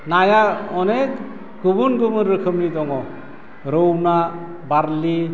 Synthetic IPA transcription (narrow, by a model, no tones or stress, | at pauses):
najaɔnek | ɡubunɡubɯnɾɯkʰɯmnidɔŋɔ | ɾowna | baɾli